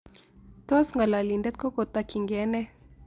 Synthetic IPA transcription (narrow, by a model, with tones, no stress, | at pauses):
t̪ɔ˦sŋɡa˨la˨li˨ndɛ˦t̪̚kɔ˦ko˨t̪a˦ki˨ŋɡɛ˨˦nɛ˦